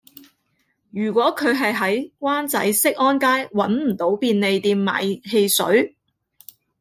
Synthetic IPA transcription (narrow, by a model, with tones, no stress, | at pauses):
jyː˨˩kʷɔː˨˥kʰɵ˨˧ɥɦɐ˨jɦɐ˨˥jkʷwʷaː˥nt͡sɐ̰˨˥jsɪ˥k̚ʔɔː˥nkaː˥jwɐ˨˥nm̩˨˩t̪o˨˧˥wpiː˧nle˨˧jt̪iː˧mːa̰ː˨jɦe˧jsɵ̰˨˥ɥ